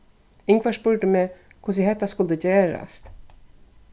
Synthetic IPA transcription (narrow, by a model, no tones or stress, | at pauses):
ɪŋkʰʋaːʂpʉɹʈəmeː | kʰʊs̬ɪhɛt̪ːaskʊld̪əd͡ʑeːɹa̰st̪